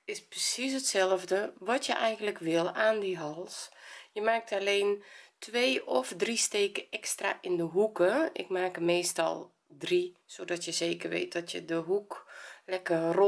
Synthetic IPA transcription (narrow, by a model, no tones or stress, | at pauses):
ɪsprəsis̬ətsɛlˠəvdəʋɔtjəʔɛjɣən̩ləkʋɪlˠaːndiɦɔlˠsjəmaːk̚taleːntʰʋeːɔfdristeːkəɛkstra̰ʔɪndəɦukəɪ̰k̚maːkəmeːstɔ̰lˠ | drisoːdɔtjəzeːkərʋḛːt̚d̥ɔtʰjədəɦuklɛkəro